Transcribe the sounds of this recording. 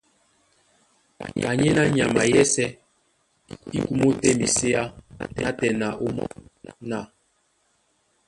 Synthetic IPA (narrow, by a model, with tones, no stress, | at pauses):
ka˨ɲɛ˦na˦ɲa˨ma˨jɛ˦sɛ˦ | i˦ku˦mo˦tɛ˦mi˨se˦a˦na˦tɛ˨na˨ʔo˦m̰˦na˦˨